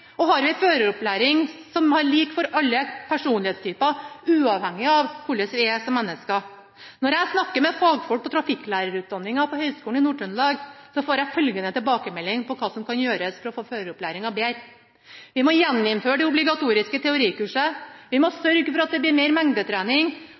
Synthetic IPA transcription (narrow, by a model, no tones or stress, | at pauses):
ɔhɑɾʋɪføːɾəɾɔplæːɾɪŋsɔmhɑɾɭiːkfɔɾɑlːəpʰæʂuːnlɪheːt̪st̪ʰyːpɑʉːɑʋhɛŋːɪɑʋkʰʊlːəsʋɪɛsɔmːɛnːəskɑ | nɔɾæɪsnɑkːəɾmɛfɑːɡfɔlk̚pɔt̪ʰɾɑfɪkːlæːɾəɾʉːt̪̚d̪ɑnːɪŋɑpɔhœʏskuːn̩ɪnuːʈʰœnlɑːɡsɔfoːɾæɪfœlɡənət̪ɪlbɑːkəmɛlːɪŋpʰɔkʰɑːsɔmkʰɑnjøːɾəsfɔɾɔfoːføːɾəɾɔplæːɾɪŋɑbeːɾ | ʋɪmɔjɛnːɪmføːɾəɖɛʊblɪɡɑt̪ʰuːɾɪskət̪ʰɛʊɾiːkʉːʂəʋɪmɔsœɾɡfɔɾɑt̪̚d̪ɛblɪɾmeɪɾmɛŋd̪ət̪ʰɾæːnɪŋ